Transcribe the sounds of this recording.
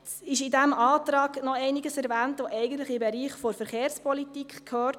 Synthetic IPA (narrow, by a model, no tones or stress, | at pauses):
ɪʃɪdæmɑːt̪ɾɑːɡ̥nɔɛɪnɪɡəsɛɾʋæːntʋoʔɛɪɡən̩tləχɪmbɛɾiːχfɔɾfəɾχeːɾspɔlitikχkʰhøːɾt